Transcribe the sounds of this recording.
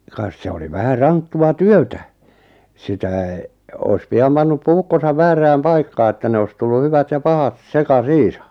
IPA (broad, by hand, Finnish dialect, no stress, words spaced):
kɑs se oli ʋæhæ rɑntːuɑ tyøtæ sitæˑ ois piɑm pɑnːup puːkːosɑʋ ʋæːræːm pɑikːɑː etːæ ne ois tulːu hyʋæt jɑ pɑhɑt sekɑsiːsɑ